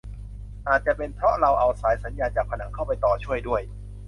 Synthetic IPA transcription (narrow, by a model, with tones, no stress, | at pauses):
ʔaː˨˩t̪̚t͡ɕa˨˩pe˧npʰɾɔ˦˥ɾa˧wʔa˧wsaː˩˦jsa˩˦njaː˧nt͡ɕaː˨˩k̚pʰa˧na˩˦ŋkʰa˥˩wpa˧jt̪ɔː˨˩t͡ɕʰu˥˩əjdu˥˩əj